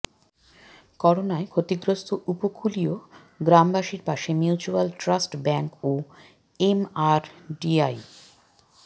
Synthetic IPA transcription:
kɔɾonaekʰot̪iɡɾost̪ʰoʔupokʰulio | ɡɾambaʃiɾpaʃemjut͡ɕualʈɾasʈbɛŋko | emaɾɖiaj

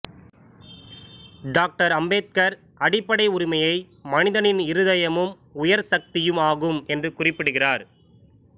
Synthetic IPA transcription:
ɖaːk̚ʈɐɾɐmbeːt̪̚kɐɾ | ɐɽɪpːɐɽɐɪʊɾɪmɐjɐɪ | mɐnɪðɐnɪnɪɾɯðɐjɐmɯm | ʊjɐɾsɐk̚t̪ɪjɯmaːɣɯmɛndrɯkʊrɪpːɪɽɯɣɪraːɾ

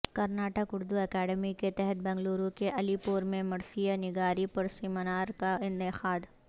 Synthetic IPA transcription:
kɐɾnaːʈəkʊɾd̪uɛkɛːɖəmiket̪ɛɦɛt̪̚bɛ̃ːŋɡluːɾũkeʔɐlipʊɾmẽmɐɾsijanɪɡaːɾipɐɾsiːmənaːɾkaɪ̃nt̪ɪqaːd̪

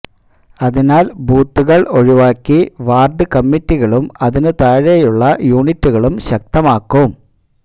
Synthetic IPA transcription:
ɐðinaːlbuːt̪ːuɣɐɭo̞ɻiʋaːkːiʋaːrɖɨkɐmːitːiɣɐɭumɐðinɨt̪aːɻejuɭːɐjuːɳitːuɣɐɭumɕɐk̚t̪ɐmaːkːum

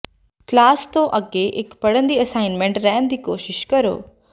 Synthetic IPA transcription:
klaːst̪õʔɐɡeʔɪkpɐɽə̃nd̪iːəsaːɪnmẽɳʈɾɛɦənd̪iːkoːʃɪʃkɐɾo̰ː

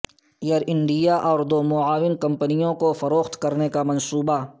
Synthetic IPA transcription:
jɐɾɪ̃ɳɖijaʔɔːɾd̪oːmʊaːwɪnkɐ̃mpnijõkofɐɾoːxt̪kɐɾnekamɐnsuːba

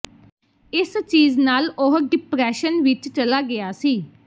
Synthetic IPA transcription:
ɪst͡ʃiːznaːlʊɦɖɪpɾɛːʃənʋɪt͡ʃt͡ʃəlaːɡɪaːsiː

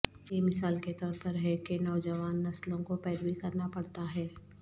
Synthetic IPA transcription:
jemɪsaːlket̪ɔːɾpɐɾɦɛkenɔːd͡ʒəʋaːnːɐslõkopɛːɾbikɐɾnapɐɽt̪aɦɛː

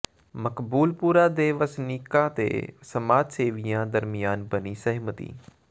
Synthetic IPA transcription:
məkbuːlpuːɾaːd̪eːʋəsniːkãːt̪ḛːsəmaːd͡ʒseːʋɪjãːd̪əɾmɪjaːnbəniːsəɦmət̪ḭː

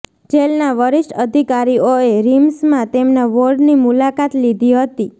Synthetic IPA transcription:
d͡ʒelnaʋəɾɪʃʈəd̪ʱikaɾioeɾimsmãt̪emnaʋoɖnimulakat̪lid̪ʱiɦət̪i

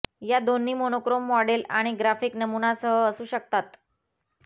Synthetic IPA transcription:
jad̪onːiːmonokɾomːɔɽelaɽ̃iɡɾafiːknəmunasəɦəəsuːɕək̚t̪at̪

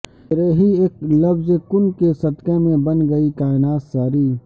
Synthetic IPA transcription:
ɾeːɦieːklɐbzekʊnkesɐt̪kemẽbɐnɡɐikaːɪnaːt̪saːɾiː

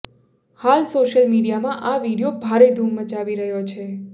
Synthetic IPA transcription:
halsoʃəlmiɽijamãʔaʋiɽijobʱaɾed̪ʱumːət͡ʃaʋiɾəɦjot͡ʃʰe

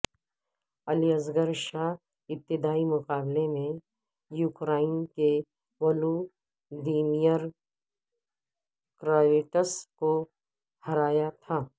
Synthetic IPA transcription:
ɐliɐzɡəɾʃaː | ɪt̚t̪ːɪd̪aːimʊqaːblemẽ | juːkɾaːɪnke | ʋɐːlu | d̪iːnijəɾ | kɾaːʋeːʈəsko | hɐɾaːjat̪ʰaː

